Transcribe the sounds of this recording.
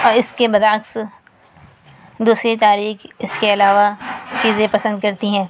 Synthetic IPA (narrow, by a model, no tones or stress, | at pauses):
ɔːɾɪskebɐd̪aːks | d̪uːsɾit̪̬aːɾiːxɪskeɐlaːʋat͡ʃiːzẽpɐsə̃nd̪̚kɐɾt̪iɦɛ̃ː